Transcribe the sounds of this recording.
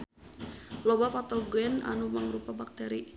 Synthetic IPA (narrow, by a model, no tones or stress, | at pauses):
lɔbapat̪ɔɡɛna̰numəŋɾupabak̚t̪ɛɾi